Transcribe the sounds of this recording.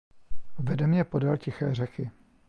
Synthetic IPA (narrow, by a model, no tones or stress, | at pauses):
vɛdɛmɲɛpo̞dalcɪxɛːr̝ɛxɪ